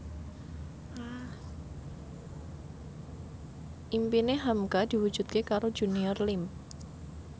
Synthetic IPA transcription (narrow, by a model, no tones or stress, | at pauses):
ʔimpineɦamkad̪̥i̤wud̥d͡ʒ̥ṳt̪̚kekaɾod̥d͡ʒ̥uniɔrlɪm